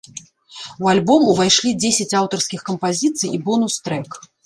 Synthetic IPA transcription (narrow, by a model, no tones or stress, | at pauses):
ualʲbɔmuvajʂlʲid͡zʲesʲɛt͡sʲawt̪ɐrskʲixkɐmpazʲit̪sɨjibɔnust̪ɾɛk